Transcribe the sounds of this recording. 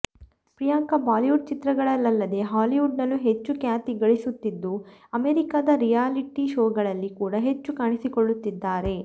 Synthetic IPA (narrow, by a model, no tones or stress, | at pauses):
pɾijaŋkɐbaːliʋuɖ̚t͡ʃit̪ɾɐɡɐɭɐlːɐlːɐd̪e̞ɦaːliʋuɖnɐlːuɦe̞t͡ʃːukjaːt̪iɡɐɭisut̪ːid̪ːuɐmeːɾikaːd̪ɐɾijaːliʈiʃoːɡɐɭɐlːikuːɽɐɦe̞t͡ʃːukaːɳisikoɭːut̪ːid̪ːaːɾe̞